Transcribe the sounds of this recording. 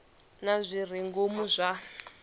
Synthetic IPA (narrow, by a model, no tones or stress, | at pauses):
nazʷir̤iŋɡomuzʷa